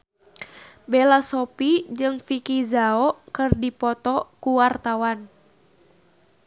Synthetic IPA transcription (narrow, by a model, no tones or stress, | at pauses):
belasɔpid͡ʒɨŋfikizaɔkɨrdipɔt̪ɔkuwart̪awan